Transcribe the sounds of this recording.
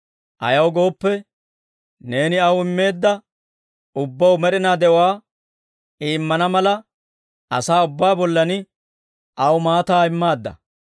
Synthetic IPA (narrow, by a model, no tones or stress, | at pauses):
ʔɐ̰jɐwɡo̞ːpːɛ | ne̞ːnɪɐwɪmːe̞ːd̪ːɐ | ʊbːɐwmɛɾɪnaːd̪ɛʊwaː | iːmːɐnɐmɐlɐ | ʔɐsaːʊbːaːbɔlːɐnɪ | ʔɐwmaːt̪aːɪmːaːd̪ːɐ̰